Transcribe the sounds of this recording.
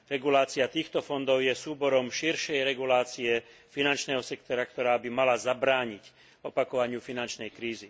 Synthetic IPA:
ɾɛɡulaːt͡siat̪iːxt̪ɔfɔnd̪ɔʊjɛsuːbɔɾɔmʃiɾʃɛjɾɛɡulaːt͡siɛfinant͡ʃnɛːɦɔsɛkt̪ɔɾakt̪ɔɾaːbimalazabɾaːɲic | ɔpakɔʋaɲɪufinant͡ʃnɛjkɾiːzi

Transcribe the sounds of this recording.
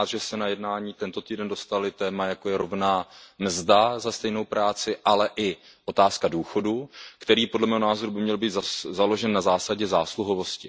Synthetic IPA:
t̪ʒɛsɛnajɛdnaːɲiːt̪ɛnt̪o̞t̪iːdɛndo̞st̪alɪt̪ɛːmajakojɛɾo̞vnaːmzdazast̪ɛjno̞wpɾaːt͡sɪʔalɛʔɪ | ʔo̞t̪aːskaduːxo̞dukt̪ɛɾiːpodlɛmɛːɦonaːzo̞ɾubɪmɲɛlbiːt̪azalo̞ʒɛnːazaːsaɟɛzaːsluɦo̞vo̞scɪ

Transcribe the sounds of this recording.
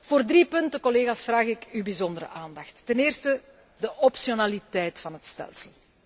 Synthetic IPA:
v̥oːrdripɵntəkɔleːɣaːsfraːɣɪkybizɔndəɾə̰ʔaːndɑxtːɛnɪːrstə | dəʔɔpsijonaːlitɛjtfɑnɦətstɛ̰lˠsəlˠ

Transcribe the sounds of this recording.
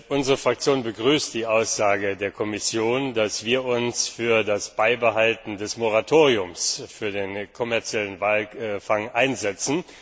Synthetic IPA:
ʔʊnzəʁəfʁ̥ak̚t͡sjoːnbəɡʁyːstd̥iːʔaʊsz̥aːɡədeːɐkʰɔmɪsjoːndasv̥iːɐʔʊnsfyːɐdasb̥aɪbəɦaltn̩dɛsmoʁ̞atʰoːʁiʊmsfyːɐdeːnkʰɔmɛɐt͡sjɛlənvaːlfaŋʔaɪnzɛt͡sn̩

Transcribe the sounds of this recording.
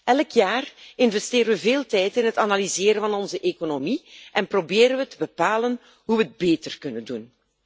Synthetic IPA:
ɛlkjaːrɪnvɛsteːɾəʋəveːlˠtɛjtɪnɦətanalizɪːɾənvɑnɔnzəʔekonomiʔɛnprobeːɾənʋətəbəpaːlən | ɦuʋəd̚beːtərkɵnəndun

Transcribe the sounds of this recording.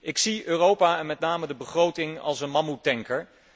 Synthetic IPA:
ʔɪksiøːrowpaːɛnmɛtnaːmədəbəχrowtɪŋɑ̰lˠsənmɑmutɛŋkəɹ

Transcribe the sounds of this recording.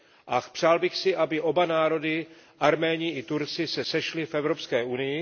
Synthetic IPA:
ʔapr̝̥aːlbɪxsɪʔabɪʔo̞banaːɾo̞dɪ | ʔaɾmɛːɲɪɪt̪uɾt͡sɪsɛsɛʃlɪfɛvɾo̞pskɛːunɪjɪ

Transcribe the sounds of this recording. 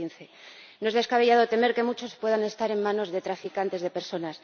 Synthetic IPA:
inθe̞ | noe̞zðe̞skaβeʝaðot̪e̞me̞ɾke̞mut͡ʃo̞spwe̞ð̞anest̪aɾe̞mːãno̞zðe̞t̪ɾafikant̪e̞zðe̞pe̞ɾso̞nas

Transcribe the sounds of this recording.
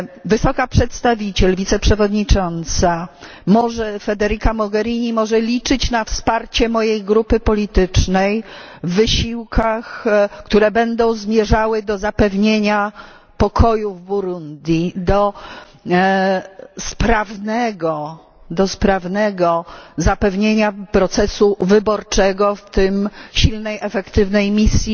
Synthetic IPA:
vɘsɔkapʂɛt̪st̪avʲit͡ɕɛlvʲit̪sɛpʂɛvɔd̪ɲit͡ʂɔnt̪sa | mɔʐɛfɛd̪ɛɾikamɔɡɛɾʲiɲimɔʐɛlʲit͡ʂɘt͡ɕnafspaɾt͡ɕɛmɔjejɡɾupɘpɔlʲit̪ɘt͡ʂnɛjvːɘɕiwkʰaxkt̪uɾɛbɛnd̪ɔ̃w̃zmʲjɛʐawɘd̪ɔzapɛvɲeɲa | pɔkʰɔjuvbuɾund̪ʲjid̪ɔ | spɾavnɛɡɔ | d̪ɔspɾavnɛɡɔzapɛvɲeɲapɾɔt̪sɛsuvɘbɔɾt͡ʂɛɡɔft̪ɘmɕilnɛjɛfɛkt̪ɘvnɛjmʲisʲji

